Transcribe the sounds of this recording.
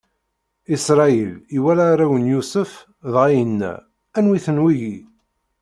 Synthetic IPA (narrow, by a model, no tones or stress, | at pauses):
isɾˤɑiliwælaːɾˤawənjusəf | ðʁajənːæ̰ | ænwiθənwiʝi